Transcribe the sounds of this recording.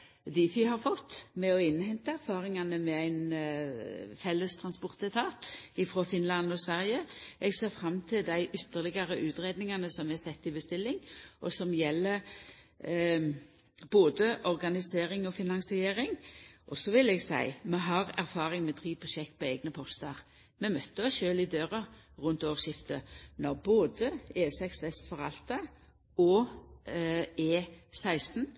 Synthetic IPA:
d̪iːfɪhɑɾfɔt̪ːmɛɔɪnːhɛnt̪əæɾfɑːɾɪŋɑnəmɛæɪn | fɛlːəst̪ʰɾʁɑnspɔʁt̪ət̪ʰɑːt̪ɪfɾoːfɪnlɑnɔsʋæʁjəʔɛɡseːʁfɾɑmːt̪ʰɪld̪æɪʔʏt̪ːəʁlɪɡɑɾəʔʉːt̪ʁeːd̪nɪŋɑnəsɔmæsɛt̪ːɪbəst̪ɪlːɪŋʔɔsɔmjɛlːəɾ | boːd̪əʔɔʁɡɑnɪseːʁɪŋɔfɪnɑŋsɪeːɾɪŋʔɔsɔʋɪlɛːɡsæ̰ɪmɛɦɑʁæɾfɑːɾɪŋmɛd̪ʁiːpʰɔʃɛkːpʰɔeːɡnəpʰɔst̪ɑʁ | mɛmœt̪ːəɔsʃøːlɪd̪øːʁɑ | ʁʉnt̪oːʁʃɪft̪ʰənɔʁboːd̪əeːsɛksɛsfɔɾɑlt̪ə | ɔ | eːsæɪst̪n̩

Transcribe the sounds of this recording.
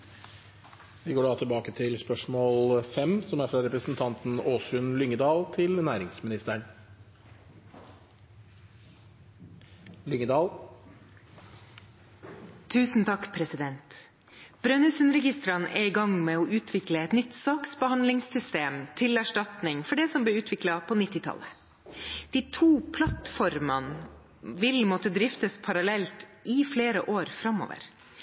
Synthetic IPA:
ʋɪɡoːɖɑːt̪ʰɪlbɑːkət̪ʰɪlspœʂmoːlfɛmsɔmæɾfɾɑɾɛpɾəsn̩t̪ʰɑnt̪n̩oːsʉnlʏŋəd̪ɑːlt̪ʰɪlnæːɾɪŋsmɪnɪst̪əɳ | lʏŋəd̪ɑːl | t̪ʰːʉːsn̩t̪ʰɑkpʰɾɛsɪd̪ɛnt̪ | b̥ɾœnʉsənɾɛɡɪst̪ɾɑnʔɛ̰ːɾɪɡɑŋmeːɔːʔʉːt̪ʰʋɪkləɛt̪nʏt̪sɑːksbəhɑnlɪŋssʏst̪eːmt̪ʰɪlæʂʈɑt̪nɪŋfɔɖɛsɔmb̪lɛːʉːt̪ʰʋɪklɑpʰoːnɪt̪ːɪt̪ʰɑ̰lə | d̪̥iːt̪ʰuːpʰlɑt̪fɔɾmɑ̰n | ʋɪlmɔt̪əd̪ɾɪft̪əspʰɑɾɑlɛlt̪ʔɪfleːɾəʔoːɾfɾɑmo̰ːʋə̰ɾ

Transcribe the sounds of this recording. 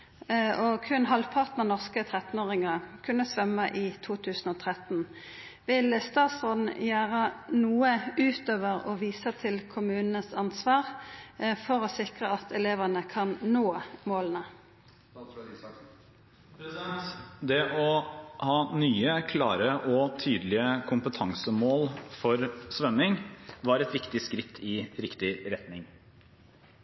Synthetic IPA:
ɔkʰʉnɦɑlʋpʰɑʁt̪nəʁnɔʁskət̪ʰʁɛt̪n̩oːʁɪŋɑkʰʉnːəsʋœmːəʔiːt̪ʰuːt̪ʰʉːsn̩ɔːt̪ʰʁɛt̪n̩ | ʋɪlst̪ɑːt̪sʁoːd̪n̩jæːʁənuːəʔʉːt̪ʰøːʋəʁɔʋiːsət̪ʰɪlkʰʊmʉːnn̩əsɑnsʋɑːʁ | fɔʁɔsɪkʁəɑt̪ʰɛleːʋənəkʰɑnnoːmoːlənə | p̪ | d̪ɛʔɔhɑːnyːəkʰlɑ̰ːɾəʔɔt̪ʰyːd̪lɪəkʰʊmpət̪ʰɑŋsəmoːlfɔɾsʋœmɪŋʋɑɾɛt̪ʋɪkt̪ɪskɾɪt̪ʰːɪɾɪkt̪ɪɾɛt̪nɪŋ

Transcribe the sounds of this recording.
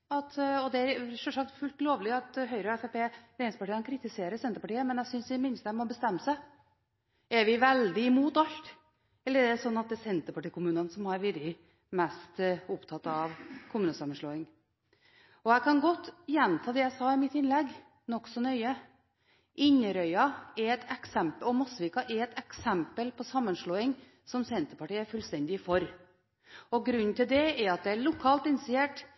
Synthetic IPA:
ɑt̪ɔd̪ɛæɾʂɔʂɑk̚t̪fʉlt̪loːʋlɪɑt̪ɦœʏɾəɔɛfɛpeːɾeːnɪspɑʈiːənkʰɾɪt̪ɪseːɾəɾsɛnt̪əɾpɑʈiːəmɛnæsʏnsʋɪmɪnst̪əæmɔbəst̪ɛmːəsæɪ | ɛɾʋɪʋɛld̪ɪɪmuːt̪ɑlt̪ | ɛlːəɾæsɔnːɑt̪̚d̪ɛsɛnt̪əɾpɑʈiːkʊmʉːnənsɔmhɑɾʋɪɾɪ | mɛst̪ʊpt̪ʰɑt̪ːɑʋkʰʊmʉːnəsɑmːənʂɭoːɪŋ | ɔæɪkʰɑnɡɔt̪ːjɛnt̪ʰɑːd̪ɛjæɪsɑːɪmɪt̪ːɪnlɛɡː | nɔksɔnœʏə | ʔɪɲːəɾœʏɑɛɾɛt̪ʰɛksɛmpəɔmɑsʋɪkɑʔɛɾɛt̪ɛksɛmpəlpʰɔsɑmːənʂɭoːɪŋ | sɔmsɛnt̪əpɑʈiːæɾfʉlst̪ɛnd̪ɪfɔɾ | ɔɡɾʉnːt̪ɪld̪ɛɛɾɑt̪̚d̪ɛæɭʊkʰɑːlt̪ɪnɪsɪeːʈ

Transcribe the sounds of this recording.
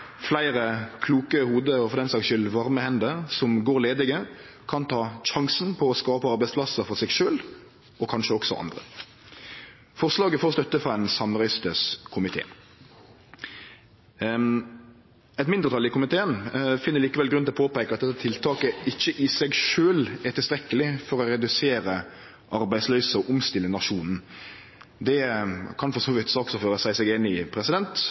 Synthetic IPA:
flæɪɾəkʰluːkəhuːd̪əɔfɔʁd̪ɛnslɑːkʃʏlʋɑʁməhɛnd̪əʁsɔmɡoːɾleːd̪ɪɡə | kʰɑnt̪ʰɑːɕɑŋsn̩pʰɔːskɑːpəɑɾbæɪspʰlɑsəfɔʁsɛɡʃøːl | ɔkʰɑnʃəɔksɔ̰ʔɑ̰nd̪ʁə̰ | fɔʁʂlɑːɡəfɔʁst̪œt̪ːəfʁɑɛnsɑmʁœʏst̪əskʰʊmɪt̪ʰḛː | ɛt̪mɪnd̪əʁt̪ɑlɪkʊmɪt̪ʰeːənfɪnːəɾɭiːkəʋɛlɡɾʉnɪɔpʰoːpæɪkəɑt̪̚d̪ɛt̪ːət̪ʰɪlt̪ʰɑːkəɪçəʔɪsɛɡʃøːlɛt̪ʰɪlst̪ɾɛkːəlɪfɔʁɔɾɛd̪ʉseːɾə | ʔɑɾbæɪslœʏsəɔʔʊmst̪ɪlːənɑʂuːnn̩ | d̪ɛkʰɑnfɔʁsoːʋɪt̪sɑːksɔføːɾəsæɪsɛɡɪnːɪpʰɾɛsɪd̪ɛnt̪

